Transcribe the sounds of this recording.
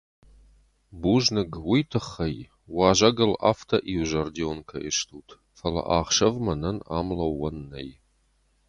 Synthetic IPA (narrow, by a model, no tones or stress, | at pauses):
buːʒnɨɡwijtʰɨχːɐj | wɑːʒɐɡɐla̰ːftʰɐʔiwʒɐrdionkʰɐiʃtʰuːtʰ | fɐlɐ̰ʔaːχʃɐvmɐnɐna̰ːmlɐwːɐnːɐ̰j